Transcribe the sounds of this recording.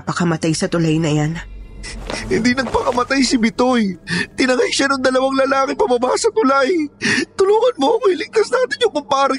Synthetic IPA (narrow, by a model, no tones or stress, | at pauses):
pɐkɐmɐt̪ajsɐt̪ʊlajnɐjan | hɪnd̪inɐɡ̚pɐkɐmɐt̪ajsɪbɪt̪ojt̪ɪnɐŋajʃanʊŋd̪ɐlɐwaŋlɐlaːkɪŋpɐbɐbaʔsɐt̪ʊlajt̪ʊluːŋɐnmomɐɪlɪŋt̪ɐsnaːt̪ɪɲjʊŋpʊmpaːɾɪ